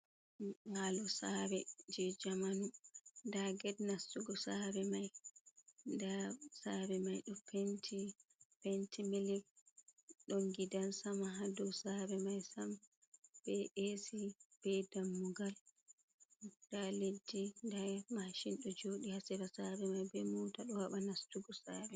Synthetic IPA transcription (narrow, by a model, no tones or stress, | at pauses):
ŋalɔsaɾɛd͡ʒɛd͡ʒamanundaɡɛdnasːuɡɔsabɛmaj | ndasabɛmajɗɔpʰentʰipentʰimiliɡ | ɗɔŋɡidalsamaɦadɔsabɛmajsam | b̥ɛesib̥ɛdamːuɡal | daledːindamaʃinɗɔd͡ʒoɗihasɛɾasabɛmajbɛmutaɗɔhaɓanastuɡɔsaːbɛ